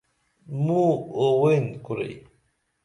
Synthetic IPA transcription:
muowenkuɾḛj

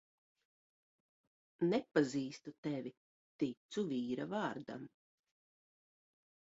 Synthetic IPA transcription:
nɛpaziːst̪ut̪ɛvʲi | t̪it̪suviːɾavɑːɾd̪a̰m

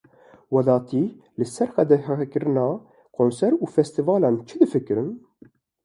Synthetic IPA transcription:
wɛd̪ɑːt̪ʰiː | lɨsɛɾxɛd̪ɛhɛkɨɾɨnɑː | kʰonsɛɾuːfɛst̪ivɑːlɑːnt͡ʃʰɨd̪ɨfɨkɨɾɨn

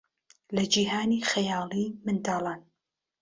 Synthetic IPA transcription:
lɐd͡ʒiːhaːnixɐjɑːlˠimɨnd̪ɑːlˠaːn

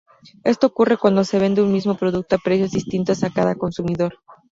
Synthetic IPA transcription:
e̞st̪o̞okure̞kwand̪o̞se̞β̞e̞nd̪eunmizmo̞pɾo̞ðuk̚t̪oapɾe̞sjo̞zðist̪int̪osakaðako̞nsumiðo̞ɾ

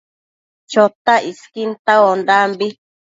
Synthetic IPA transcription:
t͡ʃot̪aiskint̪aond̪ambi

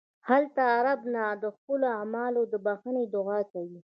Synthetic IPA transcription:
halt̪aːɾabnad̪əxpəloamɑlod̪əbaxəned̪ʊɣɑkawi

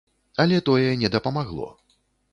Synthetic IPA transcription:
ɐlʲɛt̪ɔjɛnʲɛd̪ɐpɐmaɣlˠɔ̰

